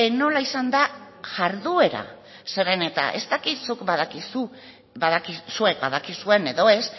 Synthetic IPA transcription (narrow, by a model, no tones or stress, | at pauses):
no̞laisand̪a | ʝaɾðue̞ɾa̰ | se̞ɾe̞ne̞t̪a̰ʔe̞̰st̪akit̪sukbaðakisu | baðakisue̞k̚baðakisue̞ne̞ðo̞e̞s